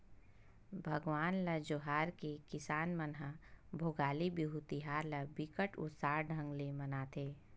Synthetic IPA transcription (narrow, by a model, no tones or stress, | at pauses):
bʱɐɡʋaːnlɐd͡ʒoɦaːɾkekɪsaːnmənɦabʱoːɡaːlibiɦut̪iɦaːɾlɐbɪkəʈʊ̰t̪saːɾɖʱə̃ŋɡlemɐnaːt̪ʰeː